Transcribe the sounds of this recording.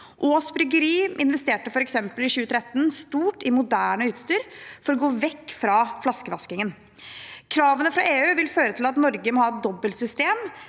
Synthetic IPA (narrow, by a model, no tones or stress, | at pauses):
ʔoːsbɾʏɡəɾiːʔɪnʋɛst̪eːʈəfɔɾɛksɛmpəlɪɕʉːət̪ʰɾɛt̪ːənst̪uːʈɪmʊd̪æːɳəʉːt̪st̪yːɾfɔɾɔɡoːʋɛkːfɾɑflɑskəʋɑskɪŋən | kʰɾɑːʋənəfɾɑʔeːʉːʋɪlføːɾət̪ʰɪlɑt̪nɔɾɡəmɔːhɑːɛt̪̚d̪ɔbːəlsʏst̪eːm